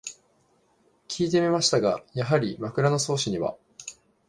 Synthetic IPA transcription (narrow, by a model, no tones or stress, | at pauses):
kʲʰiːt̪̬e̞mʲimaɕi̥t̪aɡajaɦaɾʲimakɯ̟ɾano̞so̞ːɕiɲ̟iβa̰